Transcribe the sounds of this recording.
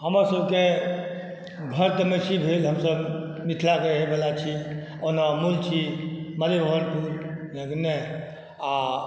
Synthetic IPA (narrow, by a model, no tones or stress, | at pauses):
həməɾsəbʱke | ɡʱəɾt̪əmesibʱelɦəmsəb | mit̪ʰlakeɦebelat͡ʃʰi | onamult͡ʃʰiməlebəɦəɾpulnəɡne | a